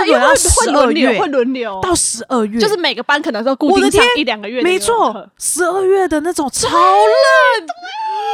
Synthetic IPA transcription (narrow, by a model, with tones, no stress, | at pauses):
e˥˧wə˥˧˥ɥɛ˧˥˧xwe˥˩ɪlwə˧˥nljo˧˥ʊʊt̪ɑ˥˩ʊʂɻ̩˧˥ʔə˥˧ɥɛ˥jʊʂɻ̩˥˩me˨˩ɪɡə˦pa˥nkʰnə˧˦ŋ˥˧jɑ˥˧ku˥˧wɔ˨˥˩t̪ʰjɛ˥ni˥˩ljɑ˨˩ŋɡə˦ɥɛ˥˧˩me˧˥ɪt͡sʰwɔ˥˩˧ʂɻ̩˧˥ə˥˧ɥɛ˥˩d̪ə˩na˥˩ʈ͡ʂʊ˨˩ŋt͡sʰɑ˧˥ʊlə˥˩